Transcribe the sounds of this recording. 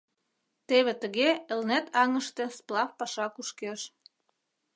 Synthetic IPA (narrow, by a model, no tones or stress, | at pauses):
t̪eβet̪ə̆ɣeə̆lnæt̪ʰɑŋə̆ʃt̪ĕsplˠɑfpɑʃɑkuʃkeʃ